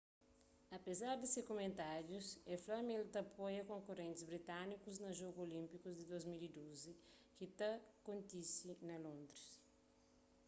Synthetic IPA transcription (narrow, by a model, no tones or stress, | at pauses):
ɐpezaɾd̪isekomẽnt̪aɾjuseflɐmelt̪ɐpojɐkõŋkorẽnt̪ɪzbɾit̪anikuznɐʒoɡuolĩmpikuzd̪id̪ozmilid̪ozi | kit̪ɐkõnt̪isinɐlõnd̪ɾis